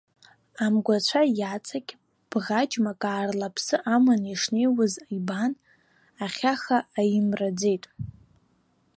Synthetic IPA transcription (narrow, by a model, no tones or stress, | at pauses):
amɡʷat͡ɕʷʰajat͡sʰʼakʲʼ | b̥ʁad͡ʒʼmakʼaːrlapʰsɨʔamaniʂnejwazaiban | aχʲaχaːjɪmrad͡ze̞jtʼ